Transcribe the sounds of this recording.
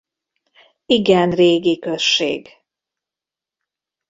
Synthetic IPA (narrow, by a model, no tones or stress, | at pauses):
iɡɛnreːɡikøʃːḛːɡ